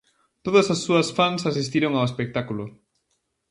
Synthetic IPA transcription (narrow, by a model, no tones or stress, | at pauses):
t̪oðɐsasːuɐsfansasist̪iɾoŋawespek̚t̪akulo